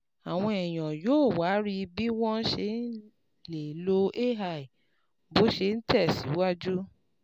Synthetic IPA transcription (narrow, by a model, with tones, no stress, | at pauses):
a˨w̃ɔ̃˧ɛ˨j̃ɔ̃˨joː˦˨wa˨˦ɾi˧bi˦w̃ɔ̃˦n̩˦ʃe˧n̩˦ | le˨lo˧ʔe˦ɦa˧˨i˨ | bo˨˦ʃe˧n̩˦tɛ˦˨si˨˦wa˦d͡ʒu˦